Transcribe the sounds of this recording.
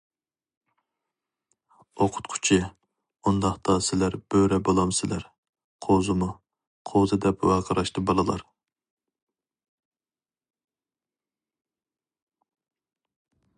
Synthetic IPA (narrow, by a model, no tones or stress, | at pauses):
oqʰʊ̥t̪qʰʊ̥t͡ʃʰɪ | und̪ɑχt̪ʰɑsɪlæɾb̥øɾɛbɑlˠɑmsɪlæɾ | qʰozɨmu | qʰozɨd̪ɛpwɛqʰəɾɑʃt̪ɨbɑlˠɨlˠɑ̰ɾ